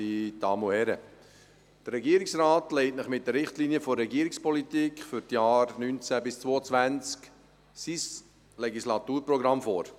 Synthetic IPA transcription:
itɑmuɛɾə | d̪̥əɾːɛɡiːəɾɪksraːtlɛɪtnəχmɪt̚d̥̪əɾɪχtliniəfɔrːɛɡiəɾikspɔlit̪iːkχfʏɾtjɑːɾnynt͡sæbɪst͡svoːət͡svænt͡sk | sis | lɛɡislɑtuːɾpɾɔɡɾɑmfoːɾ

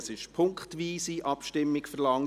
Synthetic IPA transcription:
sɪʃpʰʊŋkχtʋiːsiʔɑpʃtɪmːɪkfəɾlɑŋ

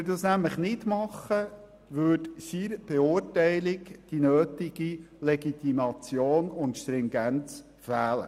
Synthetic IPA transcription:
dɑsnæmləχnɪdmɑχːə | ʋøːtʃiːɾb̥ɛʊɾtɛɪlɪɡd̥inøːtɪɡ̥ilɛɡit̪imɑt͡sjoːnʊntʃtɾɪŋɡænt͡s | fæːlə̰

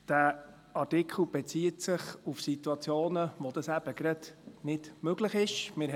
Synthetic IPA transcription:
d̥æ | ɑɾtɪkʰχl̩b̥ɛt͡siːətsɪχufsituɑt͡sjoːnəʋɔd̥̪ɑsæb̥əɡɾɑd̥nɪd̥møɡləχɪʃmɪː

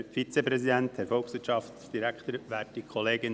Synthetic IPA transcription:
fit͡sepɾɛsid̪ænt̪hɛɾfɔlksʋɪtʃɑftd̪̥iɾækχt̪əɾʋæːtikʰχoleːɡən

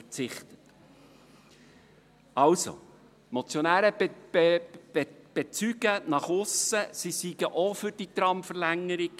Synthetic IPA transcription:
t͡sɪχtət | ɑlso̰ | mot͡sjonæːɾə | b̥et͡syɡənɑχʊsəsisiɡəʔofʏɾd̥itɾɑmfəɾlæŋːəɾiɡ

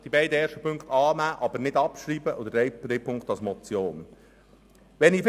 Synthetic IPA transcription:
d̥ibɛɪdəɛːɾʃtəpɵŋkt̪ɑːnæːʔɑbəɾnɪdɑpʃɾiːbəʔod̪əɛjɾɛjpʰʊŋkt̪ɑlsmɔt͡sjoːn | ʋɛniːf

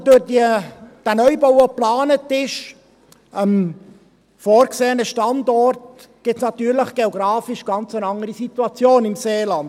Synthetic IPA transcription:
d̥ʊɾdid̥ænœʏbɔʊoplɑːnətɪʃ | əm | foːɾkseːənəʃtɑndɔrt | ɡ̥ɪtsnɑt̪yːɾləχɡ̥eoɡɾɑːfɪʃɡ̥ɑnt͡sənɑŋəɾisit̪uɑt͡sjoːnɪmseːlɑnd̥

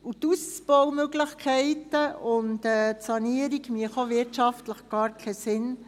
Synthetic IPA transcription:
utust͡sb̥ɔwmøɡləχkʰɛɪtəʊntɛːtsɑniəɾiɡmiəχoʋɪtʃɑftləχɡ̥ɑːɾkʰɛsɪn

